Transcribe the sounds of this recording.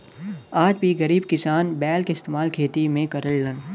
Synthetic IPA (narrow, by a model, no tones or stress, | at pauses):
aːd͡ʒbʱiɣɐɾiːb̚kɪsaːnbɛːlkeɪst̪eːmaːlkʰeːt̪imẽkɐɾəlːən